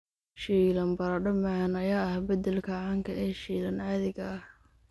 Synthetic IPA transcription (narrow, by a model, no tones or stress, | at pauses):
ʃiːlɐmbɐɾɐɖɐmanɐjaːɐhbɐd̪ɛlkʰɐʕaːŋkʰɐʔɛːʃiːlɐnʕaːðɪɣɐɐh